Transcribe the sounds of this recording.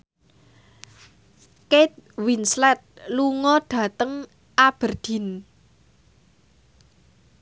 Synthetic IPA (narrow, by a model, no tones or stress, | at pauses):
ket̪̚winslɛt̪̚luŋɔɖ̥ä̤t̪əŋ | ʔab̥ərd̥i̤n